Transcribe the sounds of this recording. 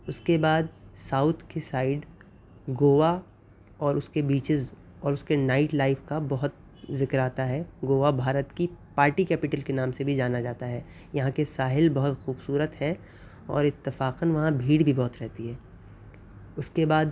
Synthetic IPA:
ʊskebaːd̪saːʊt̪ʰkesaːɪɖ | ɡoːʋa | ɔːɾʊskebiːt͡ʃɪz | ɔːɾʊskenaːɪʈlaːɪfkabɐɦʊt̪̚ | zɪkɾaːt̪aɦɛɡoːʋabʱaːɾət̪kipaːɾʈikɛːpɪʈəlkenãːmsebʱid͡ʒaːnad͡ʒaːt̪aɦɛː | jɐɦãkesaːɦɪlbɐɦʊt̪xuːbsuːɾət̪ɦɛ | ɔ̰ːɾɪt̪ːɪfaːqənʋɐɦãbʱiːɽbʱibɔːt̪ɾɛɦt̪iɦɛː | ʊskebaːd̪

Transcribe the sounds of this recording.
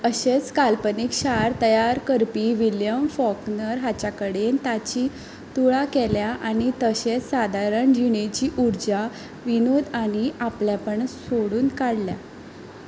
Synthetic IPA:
əɕet͡skalpənikɕaɾt̪əjaɾkəɾpiːʋiljəmfɔknəɾɦat͡ɕakəɽent̪at͡ɕiː | t̪uɭakɛljaʔañit̪əɕet͡ssad̪ʱaɾəɳd͡ʑiɳ̃et͡ɕiːʔuɾd͡ʑa | ʋinod̪aɽ̃iapljapəɳsoɽuːnkaɽlja̰

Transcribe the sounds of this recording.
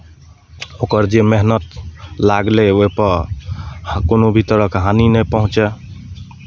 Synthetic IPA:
okəɾd͡ʒemeɦnət̪laɡleoipə | konobʱit̪əɾəkɦaninɛpəɦũt͡ʃɛ

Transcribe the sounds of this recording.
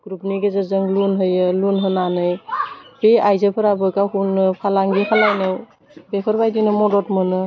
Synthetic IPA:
ɡ̥ɾupniɡezɯzɯŋlunɦɯjɯlunɦɯnanɯjbeajzɯpʰɯɾabɯkahunɯpʰalaŋɡipʰalajnɯw | bepʰɯɾbajdinɯmɔdɔt̚mɯnɯ

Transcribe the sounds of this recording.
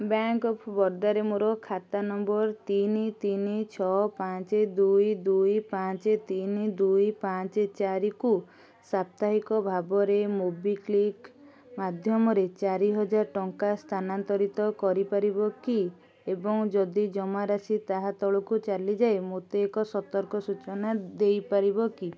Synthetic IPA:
baŋkɔpʰbɔɾd̪aɾemuɾɔkʰat̪anɔmbɔɾt̪init̪init͡ʃʰɔpat͡ʃed̪ujd̪ujpãt͡ʃet̪inid̪ujpat͡ʃet͡ʃaɾiku | sap̚t̪aɦikɔbʱabɔɾemubiklik | mad̪ʱjɔmɔɾet͡ʃaɾiɦɔd͡ʒaɾʈɔŋkast̪ʰanant̪ɔɾit̪ɔkɔɾipaɾibɔki | ebɔŋd͡ʒɔd̪id͡ʒɔmaɾasit̪aɦat̪ɔɭɔkut͡ʃalid͡ʒaemot̪eːkɔsɔt̪ɔɾkɔsut͡ʃɔnad̪ejpaɾibɔki

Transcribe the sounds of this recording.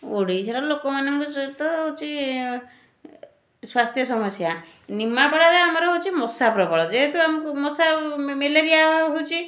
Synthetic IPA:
oɽit͡ʃʰaɾɔlokɔmanɔŋkusɔt̪ɔɦot͡ʃʰi | swast̪ʰjɔsɔmɔsja | nimapaɽaɾeamɔɾɔɦot͡ʃʰimɔsapɾɔbɔɭɔd͡ʒeɦet̪uamɔkumɔsameleɾiaɦuwt͡ʃʰi

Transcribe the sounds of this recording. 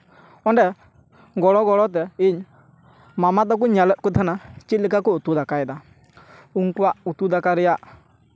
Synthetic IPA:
ɔɳɖɛ | ɡɔɽɔɡɔɽɔt̪̬ɛiɲ | mamat̪ɔk̬uɲalət̪̚kut̪ʰanat͡ʃit̪̚likakɔut̪ud̪akaɛd̪a | uŋkuwaʔut̪ud̪akaɾɛjaʔ

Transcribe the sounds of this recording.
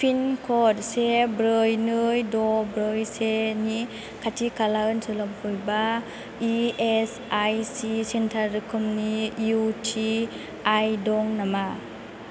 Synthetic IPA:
pʰinkʰɔt̚sebɾɯjnɯjdɔbɾɯjseni | kʰatʰikalaɯnsɯlɔmhujba | ies | ajsisentʰaɾːɯkʰɯmniutʰi | ajdɔŋnama

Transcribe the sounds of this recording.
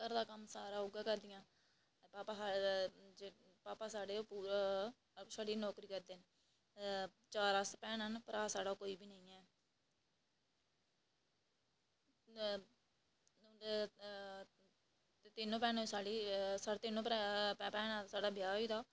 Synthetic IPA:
kəɾd̪aːkəmsaːɾãːʊɡaːkəɾd̪ɪjãː | paːpaːad͡ʒe | paːpaːsaːɽeːoːpuːɾ | saːɽiːnɔːkɾiːkəɾd̪eːn | t͡ʃaːɾəspɛːnɦənpəɾaːsaːɽaːkoːiːbiːnəĩːɛː | et̪ɪnːõːpɛːnsaːɽiːsaɽt̪ɪnõːpːpːpɛːnãːsaːɖaːbjaːiːd̪aː

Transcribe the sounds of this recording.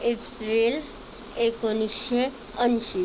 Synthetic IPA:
epɾil | ekoniʃe | ənʃi

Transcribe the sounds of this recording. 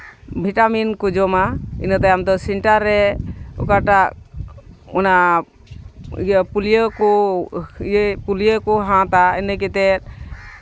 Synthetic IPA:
bʱiʈaminkud͡ʒɔmaḭnət̪ajamd̪ɔsɛɳʈaɾːɛɔ̰kaʈak̚ | ɔna | pulijəkɔ | pulijəkɔɦãt̪ainək̬ɛt̪ɛt̪̚

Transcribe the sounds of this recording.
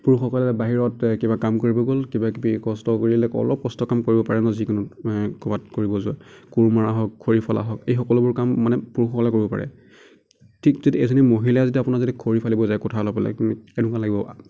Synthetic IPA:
puɹuxɔkɔlɛɛbaɦiɹɔtkibakamkoɹibɔɡolkibakkɔstɔkoɹilɛkɔ̰lɔp̚kɔstɔkamkoɹibɔpaɹɛnɔzikunukɔbat̚koɹibɔzʊakuɹmaɹaɦɔk̚kʰːoɹipʰala̰ɦɔkejxɔkɔlʊbʊɹkamːanɛpuɹuxɔkɔlakoɹibɔpa̰ɹɛ̰ | tʰikzitiezɔnimoɦilajzituapʊnazetikʰoɹipʰalibɔzajkɔtʰalɔpɛlɛ̰ɛnukalaɡibɔ

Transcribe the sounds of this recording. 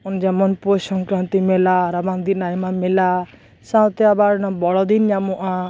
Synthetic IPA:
ɔnd͡ʒamɔnposɔŋkɾãnt̪imelaɾabãnd̪inajmamela | sãwt̪jabaɾnabɔɭɔd̪injãmuʔã

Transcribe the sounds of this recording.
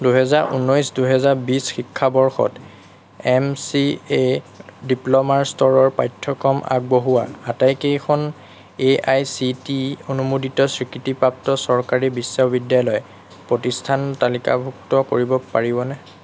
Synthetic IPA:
duɦɛzaɹʔṵnːɔjsduɦɛzaɹbisxikʰːabɔɹxɔ̰t | ɛmsiediplɔmaɹstɔɹɔɹpajtʰːɔkɔmʔa̰ɡ̚boɦua̰atajkejkʰɔn | eajsitionumoditɔsɹikɹitipɹap̚tɔsɔɹkaɹibisːabidjalɔj | pɹotistʰantalika̰bʱuktɔkoɹibɔpaɹibɔnɛ

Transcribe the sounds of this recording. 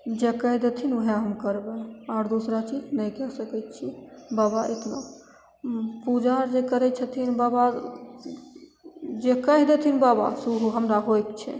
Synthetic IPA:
d͡ʒekəɦd̪et̪ʰinuɦeɦəmkəɾbeaːɾd̪usɾat͡ʃid͡ʒnɛjkɛsəkɛt̪̚t͡ʃʰibabaʔḛt̪na̰ | pud͡ʒaɾd͡ʒekəɾɛt͡ʃʰət̪ʰinbaba | d͡ʒekəɦd̪et̪ʰinbaba̰suɦuɦəmɾaɦojkt͡ʃʰɛ̰

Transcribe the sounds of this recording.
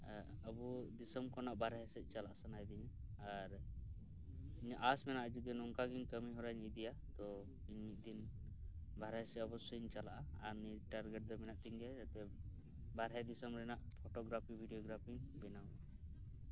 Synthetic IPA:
əbud̪isɔmkɔnaʔbaɾɦɛsɛt̪̚ˀt͡ʃalaʔasanajd̪iɲaaɾ | iɲaʔasmɛnaʔad͡ʒud̪inɔŋkaɡiɲkəmiɦɔɾaɲid̪ija | t̪ɔ | iɲmit̪̚d̪in | bʱaɾɦɛsɛɔbɔsɔiɲt͡ʃalaʔaːɾniʈaɾɡɛʈ̚d̪ɔmɛnaʔt̪iŋɡɛd͡ʒat̪ɛ | baɾɦɛd̪isɔmɾɛnaʔpʰɔʈɔɡɾapʰibʱiɖijɔɡɾapʰiŋbɛnaa

